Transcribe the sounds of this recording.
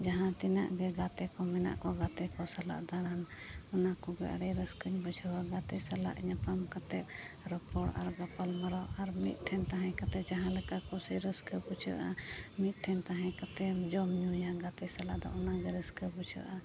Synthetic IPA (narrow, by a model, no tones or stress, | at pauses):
d͡ʒaɦãt̪ina̰ʔɡɛɡat̪ɛkɔmɛna̰ʔkɔɡat̪ɛkɔsala̰ʔd̪aɽanɔnakɔɡɛa̰ɽɛɾəskəɲbud͡ʒʱəwaɡat̪ɛsala̰ʔɲapamkat̪ɛt̪̚ɾɔpɔɽa̰ɾɡapɔlmaɾɔʔaɾmit̪̚ˀʈʰɛnt̪aɦɛ̃kat̪ɛd͡ʒaɦãlɛkaʔkɔsɛɾəskəbud͡ʒʰə̰ʔamit̪̚ˀʈʰɛnt̪aɦɛ̃kat̪ɛd͡ʒɔmɲujaɡat̪ɛsalaʔd̪ɔ̰ʔɔnaɡɛɾəskəbud͡ʒʰʱə̰ʔa